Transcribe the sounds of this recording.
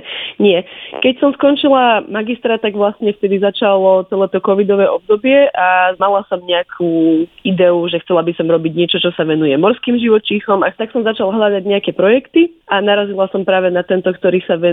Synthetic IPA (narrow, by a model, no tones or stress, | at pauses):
ɲɪɛkɛcsɔmskɔnt͡ʃilamaɡist̪ɾat̪aɡʋlasɲɛft̪ɛd̪izat͡ʃalɔt͡sɛlɛːt̪ɔkɔʋid̪ɔʋɛːʔɔb̚d̪ɔbɪɛʔamalasɔmɲɛakʰuːid̪ɛuʒɛxt͡sɛlabisɔmɾɔbiɟɲɪɛt͡ʃɔt͡ʃɔsaʋɛnujɛmɔɾskiːmʒiʋɔt͡ʃiːxɔmat̪aksɔmzat͡ʃalɦʎad̪aɟɲɛakɛpɾɔjɛkt̪iʔanaɾazilasɔmpɾaːʋɛnat̪ɛnt̪ɔkt̪ɔɾiːsaʋɛ